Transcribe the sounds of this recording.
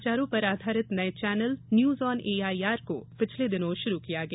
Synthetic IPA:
t͡ʃaːɾõpɐɾaːd̪ʱaːɾɪt̪nɐet͡ʃɛːnəlnjuːzɔːneːaːiaːɾko̰pɪt͡ʃʰled̪ɪnõʃʊɾukijaɡɐ

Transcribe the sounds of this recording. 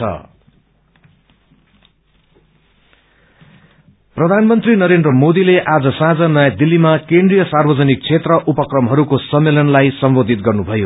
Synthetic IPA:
ʌ̰ | prʌd̪ʱanmʌnt̪rinʌɾendrʌmod̪ileʔad͡zʌsãd͡zʌnʌjad̪ilːimakendrijʌsarbʌd͡zʌnik̚t͡sʰet̪rʌʔupʌkrʌmɦʌɾukosʌmːelʌnlajsʌmbod̪ʱit̪̚ɡʌrnubʱʌjo

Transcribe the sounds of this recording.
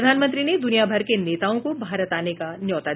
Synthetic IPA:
d̪ʱaːnmə̃nt̪ɾined̪ʊnijabʱɐɾkeneːt̪aːõkobʱaːɾət̪aːnekanjɔːt̪a

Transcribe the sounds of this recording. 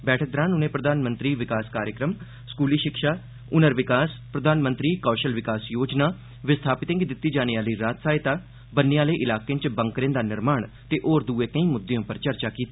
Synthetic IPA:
bɛːʈʰək̚d̪ɾãːnʊnẽːpɾəd̪aːnmə̃nt̪ɾiːʋɪkaːskaːɾjəkɾəm | skuːliːʃɪkʃaː | ʊnəɾʋɪkaːspɾəd̪ʱaːnmə̃nt̪ɾiːkaːʃəlʋɪkaːsjoːd͡ʒnaː | ʋɪst̪ʰaːpɪt̪ɪ̃ŋɡd̪ɪt̪ːiːd͡ʒaːneaːliːɾaːt̪saːɪt̪aː | bənːeaːleːʔɪlaːkẽːt͡ʃbəŋkɾẽnd̪aːnɪɾmaːɳt̪eːʔoːɾd̪uːeːkə̃ĩːmʊd̪ːeõːpəɾt͡ʃəɾt͡ʃaːkiːt̪aː

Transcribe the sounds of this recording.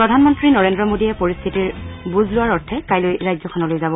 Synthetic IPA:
pɹɔdʱanmɔntɹinɔɹendɹɔmodijɛpoɹist̪ʰitiɹbuzlʊwaɹɔɹtʰɛkajlojɹajzɔkʰɔnɔlojzabɔ

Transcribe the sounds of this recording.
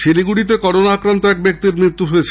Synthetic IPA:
ʃeliɡuɽit̪̬ekɔɾonaakɾant̪oɛk̚bek̚t̪iɾmɾit̪ːuɦojet͡ɕʰ

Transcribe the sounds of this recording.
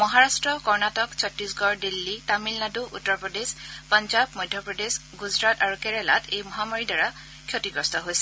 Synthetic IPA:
mɔɦaɹastɹɔkɔɹnatɔksɔtɹisɡɔɹdilːitamilnaduʔutːɔɹpɹɔdespɔnd͡ʒabmɔjdʱjɔpɹɔdesɡuzɹataɹukɛɹɛla̰tejmɔɦamaɹidaɹa | kʰjotiɡɹɔstɔɦojsɛ̥

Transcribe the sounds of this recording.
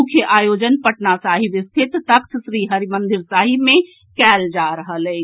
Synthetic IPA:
ʊkʰjəʔaːjoːd͡ʒənpɐʈnasaːɦiʋɪst̪ʰɪt̪ːɐkt̪ʰʃɾiːɦɐɾimə̃nd̪ɪɾsaːɦimẽ | kɛːld͡ʒaːɾəɦəleː

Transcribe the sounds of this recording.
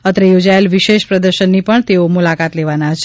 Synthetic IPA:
ət̪ɾəjod͡ʒaelʋiʃeʃpɾəd̪əɾʃənːipəɳt̪eomulakat̪leʋanat͡ʃʰe

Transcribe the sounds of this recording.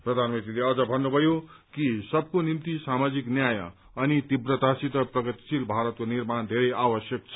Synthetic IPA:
prʌd̪ʱanmʌnt̪ɾileʌd͡zʌbʱʌnːubʱʌjokisʌb̚konimt̪isamad͡ziknjajʌ̰ | ʌnit̪ibrʌt̪asit̪ʌprʌɡʌt̪i̥silbʱaɾʌt̪̚konirmand̪ʱeɾʌjabʌsjʌkt͡sʰʌ̥

